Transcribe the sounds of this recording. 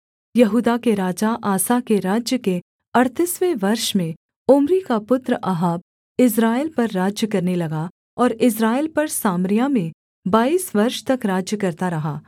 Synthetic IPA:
jɐɦuːd̪akeɾaːd͡ʒaʔaːsakeɾaːd͡ʒjəke | ɐɽt̪ɪsʋeʋɐɾʃmẽ | ʊmɾikapʊt̪ɾəʔɐɦaːb̚ | ɪs̬ɾaːɪlpɐɾːaːd͡ʒjəkɐɾnelɐɡa | ɔːɾɪs̬ɾaːɪlpɐɾsaːmɾɪjamẽ | baːiːsʋɐɾʃt̪ɐkɾaːd͡ʒjəkɐɾt̪aɾɐɦaː

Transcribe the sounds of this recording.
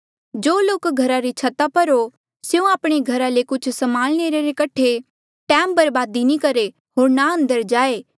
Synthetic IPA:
d͡ʒoːloːkɡʱɐɾaɾit͡ʃʰɐt̪apɐɾo | sjũaːpɽ̃eɡʱɐɾalekʊt͡ʃʰsɐmaːlñeːɾeɾekɐʈʰe | ʈɛ̃ːmbɐɾbaːd̪inĩkɐɾe | ɦoːɾnaɐ̃nd̪əɾd͡ʒaːeː

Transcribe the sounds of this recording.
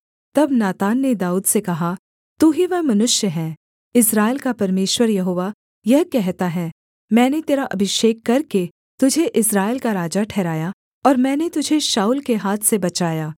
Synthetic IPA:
t̪ɐbnaːt̪aːnːed̪aːuːd̪sekɐɦa | t̪uːɦiʋɛɦmɐnʊʃjəɦɛ̃ː | ɪsɾaːɪlkapɐɾmeːʃwəɾjɐɦoːʋa | jɐɦkɛɦt̪aɦɛː | mɛ̃ːnet̪eːɾaʔɐ̰bʱɪʃeːkːɐɾke | t̪ʊd͡ʒʱeʔɪsɾaːɪlkaɾaːd͡ʒaʈʰɛːɾaːja | ɔːɾmɛ̃ːnet̪ʊd͡ʒʱeʃaːuːlkeɦaːt̪ʰsebɐt͡ʃaːjaː

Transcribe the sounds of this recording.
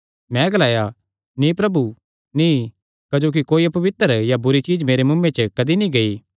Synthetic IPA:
mɛ̃ɡɐlaːja | nĩpɾɐbu | nĩ | kɐd͡ʒoːk̬ikoːiɐpɐʋɪt̪əɾjabʊɾit͡ʃiːd͡ʒmeːɾemʊ̃mːẽt͡ʃəkɐd̪inĩɡɐi

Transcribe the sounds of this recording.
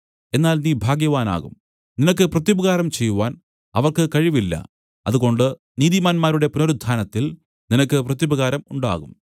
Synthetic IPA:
e̞nːaːlniːbʱaːɡjɐʋaːna̰ːɣṵm | ninɐk̬ːɨprɐt̪jubɐɣaːɾɐmt͡ɕe̞jːuʋaːn | ɐ̰ʋɐrkɨkɐɻiʋilːɐ̰ | ɐðuɣo̞ɳɖɨ | niːðimaːnmaːɾuɽe̞punoɾud̪ʱːaːnɐt̪ːil | ninɐkːɨprɐt̪jibɐɣaːɾɐmuɳɖa̰ːɣum

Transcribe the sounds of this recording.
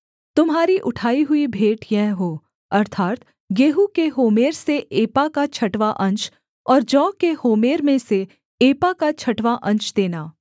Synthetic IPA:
t̪ʊmɦaːɾiʔʊʈʰaːiɦʊibʱeːʈjɛɦɦoː | ɐɾt̪ʰaːt̪ | ɡeːɦukeɦoːmeːɾseʔeːpakat͡ʃʰɐʈʋaʔɐ̃ɲt͡ʃ | ɔːɾd͡ʒɔːkːehoːmeːɾmẽse | eːpakat͡ʃʰɐʈʋaʔɐ̃ɲt͡ʃd̪eːnaː

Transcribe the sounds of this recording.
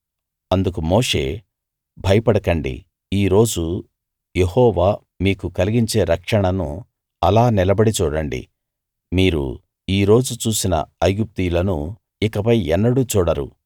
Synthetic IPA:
ɐnd̪uk̬umoːʂe̞̰ː | bʱɐjɐpɐɽɐkɐɳɖḭ | iːɾo̞ːd͡ʒu | jehɔːʋaː | miːkukɐliɡiɲt͡ʃe̞ːɾɐkʂɐɳɐnu | ɐlaːnilɐbɐɽit͡ʃuːɽɐɳɖḭ | miːɾṵ | iːɾo̞ːd͡ʒut͡ʃuːsinɐ̰ɐjɡup̚t̪ijlɐnu | ikɐpɐjɛnːɐɽut͡ʃuːɽɐɾṵ

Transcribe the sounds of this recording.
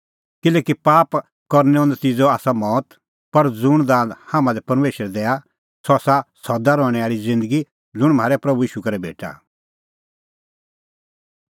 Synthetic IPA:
kɪlɛːkipaːp | kɔɾnɛ̃ɔ̃nd̪ɛt͡sɪd͡zoaːsamɔːt̪ | pɐɾd͡zʊɽ̃d̪ãːnd̪haːmãd̪ɛpɐɾmeːʃəɾɛd̪ɛːa | sɔːsasɔd̪aɾɔ̃ːɽ̃ɛaːɭid͡zɪ̃nd̪əɡi | lʊɽ̃m̤aːɾɛpɾɐbuiːʃukɐɾɛbʱḛːʈa̰

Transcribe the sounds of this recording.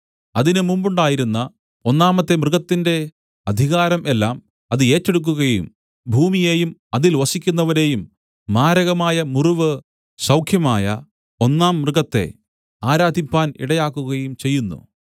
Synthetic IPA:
ɐðinɨmumbuɳɖaːjiɾunːɐ | o̞nːaːmɐt̪ːe̞mrɨɣɐt̪ːinde̞ | ɐd̪ʱiɣaːɾɐme̞lːaːm | ɐðɨe̞ːtːeɽuk̬ːuɣɐjṵm | bʱuːmije̞ːjumɐðilʋɐsikʲːunːɐʋɐɾe̞ːjumː | aːɾɐɣɐmaːjɐmuruʋɨ | sɐwkʰjɐmaːjɐ̰ | o̞nːaːmːrɨɣɐt̪ːe̞̰ | aːɾaːd̪ʱipːaːnḭɽɐjaːkːuɣɐjumt͡ɕe̞jːunːṵ

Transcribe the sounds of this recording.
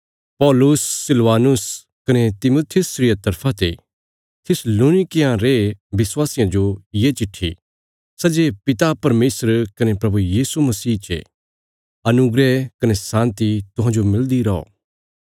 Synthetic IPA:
pɔːlʊsːɪlʋaːnʊs | kɐnet̪ɪmoːt̪ʰɪjʊsɾɪjɐt̪ɐɾpʰãt̪ḛ | t̪ʰɪsloːnɪkɪjãɾeʋɪswaːsɪjãd͡ʒojeːt͡ʃɪʈʰːḭ | sɐd͡ʒepɪt̪apɐɾmeːsəɾkɐnepɾɐbujiːsumɐsiːt͡ʃḛ | ɐnʊɡɾɛkɐnesãːnt̪it̪ʊɦãd͡ʒomɪld̪iɾɔɔ̰ː

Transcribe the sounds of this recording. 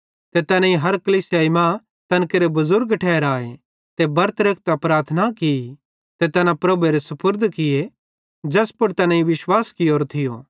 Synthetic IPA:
t̪et̪ɐnãĩɦɐɾkɐliːsjaːimã | t̪ɐnkeɾebɐzʊɾɡʈʰɛːɾaːe | t̪ebɐɾt̪ɾeːk̚ʰt̪apɾaːɾt̪ʰnakɪi | t̪et̪ɐnãpɾɐbueɾesɐpʰʊɾd̪ʱkɪje | d͡ʒɐspʊɽt̪ɐnãĩʋɪʃwaːskɪjoːɾt̪ʰɪjo̰ː

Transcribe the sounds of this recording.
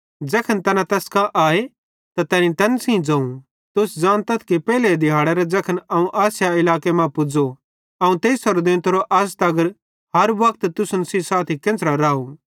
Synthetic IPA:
d͡ʒɐkʰənt̪ɐnãt̪ɛskãʔaːe | t̪at̪ɛːnĩt̪ɐnsĩd͡zɐ̃ːũ | t̪ʊsd͡zaːnt̪ɐt̪ʰkipɛːled̪ɪɦaːɽɛɾɛd͡zɐkʰənɐũʔaːsjaɪlaːkemãpʊd͡zo | ɐũt̪eːsɐɾd̪ɪ̃nt̪ɾoʔɐst̪ɐɡəɾ | ɦɐɾbɐk̚t̪t̪ʊsʊnsisaːt̪ʰikẽnt͡sɾaɾaːu

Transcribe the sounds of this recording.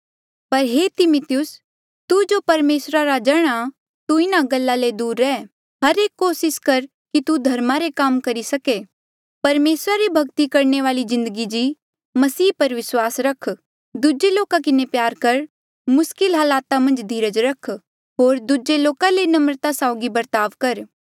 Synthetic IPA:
pɐɾɦeːt̪ɪmʊt̪ɪjʊs | t̪ud͡ʒopɐɾmeːsɾaɾad͡ʒɛːɽ̃a | t̪uɪnaɡɐlːaled̪uːɾːɛː | ɦɐɾeːkːoːsɪskɐɾ | kit̪ud̪ʱɐɾmaɾekaːmkɐɾisɐke | pɐɾmeːsɾaɾibʱɐɡt̪ikɐɾneʋaːlizɪ̃nd̪əɡid͡ʒi | mɐsiːpɐɾʋɪswaːsɾɐkʰ | d̪ud͡ʒeloːkakɪnepjaːɾkɐɾ | mʊskɪlɦaːlaːt̪amɐ̃nd͡ʒd̪ʱiːɾəd͡ʒɾɐkʰ | ɦoːɾd̪ud͡ʒeloːkalenɐmɾt̪asaʊɡibɐɾt̪aːʋkɐɾ

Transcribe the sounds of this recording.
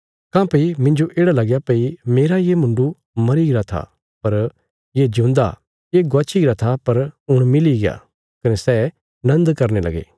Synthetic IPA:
kãːpɐimɪ̃ɲd͡ʒoʔeːɽalɐɡjapɐimeːɾajemʊ̃ɳɖu | mɐɾiɡɪɾat̪ʰa̰ | pɐɾ | jed͡ʒũːnd̪a̰ | jeɡʊɐːt͡ʃʰiɡɾat̪ʰapɐɾʊɽ̃mɪliɡɪja̰ː | kɐnesɛ | nɐ̃nd̪kɐɾnelɐ̰ɡḛː

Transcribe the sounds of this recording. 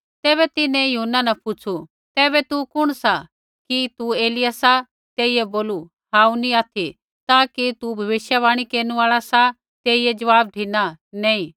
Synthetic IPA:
t̪ɛːβɛt̪ɪnẽjɐɦunːanɐpʊt͡ʃʰu | t̪ɛːβɛt̪ukʊɽ̃sa | kit̪ueːlɪjasa | t̪eːijeboːlu | hãːũnĩaːt̪ʰi | t̪aːkit̪ubʱɐʋɪʃjaʋaːɽ̃ikeːnuaːɭasa | t̪eːied͡ʒɐʋaːb̚ʈʰinanẽːĩ

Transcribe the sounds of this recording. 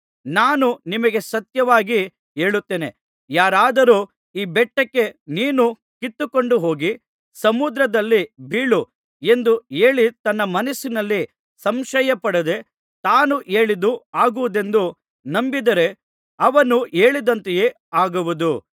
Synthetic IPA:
naːnunimɐɡe̞sɐt̪jɐʋaːɡi | e̞ːɭut̪ːeːne̞̰ | jaːɾaːd̪ɐɾuː | iːbɛʈːɐkːe̞niːnu | kit̪ːuko̞ɳɖuɦo̞ːɡi | sɐmud̪ɾɐd̪ɐlːibʱiːɭu | e̞nd̪ueːɭit̪ɐnːɐmɐnɐsːinɐlːi | sɐmʃɐjɐpɐɽed̪e̞ | t̪aːnuʔe̞ːɭid̪uaːɡuʋud̪e̞nd̪u | nɐmbid̪ɐɾe̞ | ɐʋɐnue̞ːɭid̪ɐnt̪eje̞ː | aːɡuʋud̪u

